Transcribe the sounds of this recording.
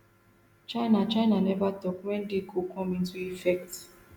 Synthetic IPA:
t͡ʃaɪnat͡ʃaɪnanɛvatɔkwɛn̩dɪkokɔ̃mĩn̩tuifɛkt

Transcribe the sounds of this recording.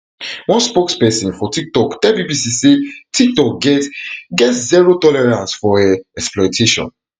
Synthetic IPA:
wɔ̃nspokspɛsĩnfɔtik̚tɔkdɛbibisisetʰik̚tɔk̚ɡɛtɡɛtziɹotɔlɛɹãnsfɔɛ̃ɛksplɔɪtʰeʃɔ̰̃n

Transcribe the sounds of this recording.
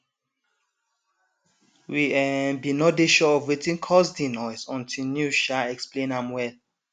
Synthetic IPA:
wiɛnbinɔdeʃɔɔvwetĩŋkʰɔsdinɔɪsɔ̃ntʰilnjuʃaɛksplẽnãmwɛl

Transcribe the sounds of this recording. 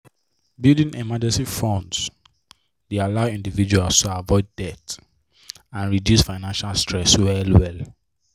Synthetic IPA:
bilˠdĩnimad͡ʒɛ̃nsifɔ̃nds | dealaʊĩndivid͡ʒualstuavɔɪd̚ːɛt | ãnɹidjusfaɪnãnʃalstʰɹɛswɛlwɛl

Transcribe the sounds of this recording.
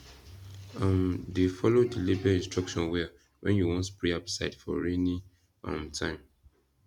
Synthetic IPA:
ãndefɔlodilebiaĩnstɹɔkʃɔ̃nwɛa | wɛ̃njuwɔ̃nspɹiapsaɪtfɔ̰ɹenĩ | ɔ̰̃mtʰãɪ̃m

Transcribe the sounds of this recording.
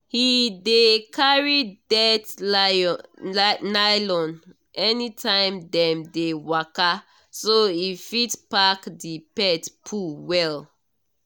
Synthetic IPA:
hidekʰaɹidɛt | najlɔ̃n | ʔɛnitʰãɪ̃mdɛ̃mdewaka | soifitpakdipɛtpʰuwɛl

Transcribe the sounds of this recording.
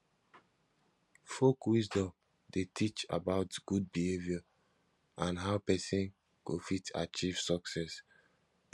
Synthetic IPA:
fokwisdɔ̃m | detʰit͡ʃa̰baʊtɡ̥ud̚bihevjɔ | ãnɦaʊpɛsĩn | ɡofitʰa̰t͡ʃiv̥sɔksɛs

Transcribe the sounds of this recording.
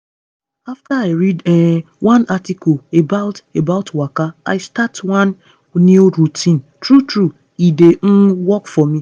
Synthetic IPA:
aftaaɪɾid | wãnatikɔlebaʊtebaʊtwakaa̰ɪstatwãnː | iuɾutʰĩntɾutɾu | ideŋ̩wɔkfɔmi

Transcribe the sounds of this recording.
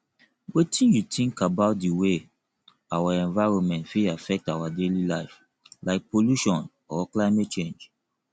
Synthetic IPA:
wetʰĩnjutĩŋkabaʊt̚diwe | awaɛ̃nvaɪɹɔ̃nmɛ̃ntfiafɛk̚tawadelilaɪf | laɪk̚pʰoluʃɔ̃n | ɔklaɪmet̚t͡ʃẽnd͡ʒ

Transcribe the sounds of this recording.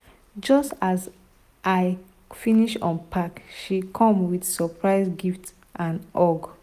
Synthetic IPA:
d͡ʒɔstaz | ʔaɪ | finiʃɔ̰̃npʰakʃikʰɔ̃mwidsɔpʰɹaɪzɡift | ʔãnʔɔɡ

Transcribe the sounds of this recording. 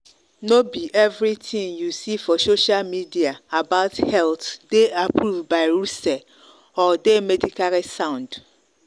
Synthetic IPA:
nobiʔɛvɾitʰĩŋjusifɔsoʃialmidiaabaʊthɛltdeapʰɾuvbaɪɾusɛ | ɔdemɛdikʰaɾisãʊ̃nd

